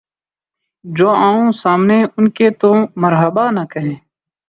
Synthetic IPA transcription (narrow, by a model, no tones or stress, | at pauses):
d͡ʒoːaːõːsaːmneːʊnkeːt̪oːməɾɦəbaːnakəɦẽː